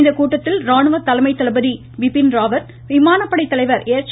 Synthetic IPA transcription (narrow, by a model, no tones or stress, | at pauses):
nd̪ɐkuːʈːɐt̪ːɪlɾaːɳɯʋɐt̪ːɐlɐmɐɪt̪ːɐlɐbɐði | ʋɪpːɪnɾaːʋɐɾ | ʋɪmaːnɐpːɐɽɐɪt̪ːɐlɐɪʋɐɾeːɾt͡ʃ